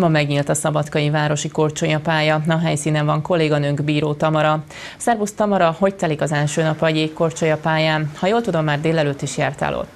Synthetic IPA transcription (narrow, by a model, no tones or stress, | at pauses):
mɒmɛɡɲiːlt̪ɒsɒbɒt̪kɒjivaːɾo̞ʃiko̞rt͡ʃo̞jɒpaːjɒnɒɦɛjsiːnɛɱvɒŋko̞lːeːɡɒnøŋɡbiːɾoːt̪ɒmɒɾɒ | sɛrbust̪ɒmɒɾɒho̞ct̪ɛlikɒzɛlʃøːnɒpɒɟeːkːo̞rt͡ʃojɒpaːjaːnhɒjoːlt̪ud̪o̞mːaːrd̪eːlɛløːt̪ːiʃjaːrt̪a̰ːlo̰ːt̪